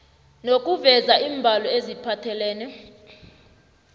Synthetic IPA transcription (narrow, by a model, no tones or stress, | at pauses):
nok̬ʼuvɛzaʔiːmbʱalɔezipʰatʰɛlɛːnɛ